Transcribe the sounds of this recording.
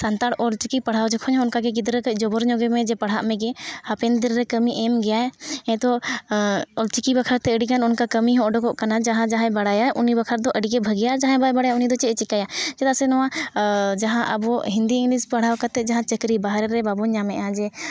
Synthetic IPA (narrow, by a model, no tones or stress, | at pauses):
sant̪aɽɔlt͡ʃikipɐɽ̤awd͡ʒɔkʰɔɲɔ̃ʊnkakɛɡid̪ɾəkəˀd͡ʒɔbɔɾɲɔɡɛmɛ̃d͡ʒɛpɐɽ̤aʔmɛ̃ɡɛhəpɛnd̪ɾɾɛkəmiʔɛmɡɛjaɛɛ̃t̪ɔ | ɔlt͡ʃikibəkʰəɾt̪ɛəɽikanʊnkakəmiɦɔ̃ɔɖɔkɔʔkanad͡ʒaɦãd͡ʒaɦɛ̃bɐɽajaʔʊnibəkʰəɾd̪ɔʔəɽikɛbʱəɡijad͡ʒãɦɛ̃babəɽajaʊnid̪ɔt͡ʃɛt͡ʃɪkːajad͡ʒɛt̪asɛnɔwãd͡ʒɐɦãʔə̰bɔɦĩnd̪iɪ̃ŋɡlispəɽ̤awkat̪ɛd͡ʒaɦãt͡ʃəkɾibaɦɾɛɾɛbabuɲamɛ̃ʔãd͡ʒɛ